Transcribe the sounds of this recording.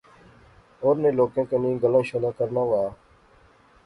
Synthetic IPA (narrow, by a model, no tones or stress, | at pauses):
oːɾnẽːloːkẽːkənĩːɡəlãːʃəlaːkəɾnãːʋaː